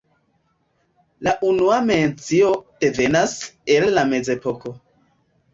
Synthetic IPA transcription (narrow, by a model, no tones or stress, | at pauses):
laʔunuame̞nt͡sio̞d̥e̞ve̞nase̞lːame̞ze̞po̞ko̞